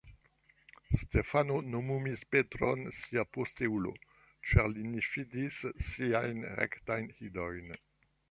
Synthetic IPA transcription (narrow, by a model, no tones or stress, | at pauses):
stefanonomumispetɾo̰nsiaposteulo̰ | t͡ʃaʁlinefidisːiajnʁḛktajnhidojn